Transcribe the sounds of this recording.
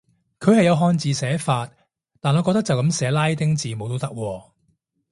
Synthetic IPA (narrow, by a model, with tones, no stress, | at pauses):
kʰɵ˨˧ɥhɐ˨jɐ˨˧wɦɔː˧nt͡siː˨˧sɛː˨˥faː˧t̚ | t̪ːaː˨nɔː˨˧kɔ˧kt̪ɐ˥t͡sɐ˨wkɐ˨˥msɛː˨˥laː˥jt̪ɪ˥ŋt͡siː˨mo˨˧wt̪o˥wt̪ɐ˥k̚wɔː˧